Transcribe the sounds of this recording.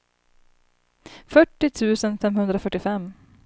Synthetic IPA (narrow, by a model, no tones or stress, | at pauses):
fœʈːɪt̪ʰʉ̟ːsənfɛmhɵnd̪ɾafœʈːɪfɛmː